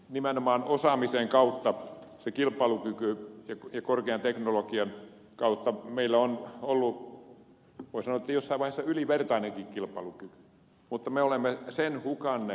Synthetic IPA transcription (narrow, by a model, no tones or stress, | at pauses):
nimenomɑːnosɑmiseŋkɑut̪ːɑsekilpˑɑilukykyjɑkjɑkorkeɑnt̪eknolokiɑn | kɑut̪ːɑmeilːæonolːu | ʋoˑisɑnoˑet̪ːjosːɑiʋɑihesːɑyliʋert̪ɑineŋkikkilpˑɑlukyky̥ | mut̪ːɑmeolemːesenhukɑnːe